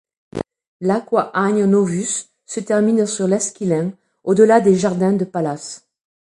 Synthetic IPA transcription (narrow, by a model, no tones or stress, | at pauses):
lakwaʔaɲnovysː | ət̪ɛʁminsyʁlɛskʲilɛ̃ | od̪əlad̪eʒaʁd̪ɛ̃d̪əpalas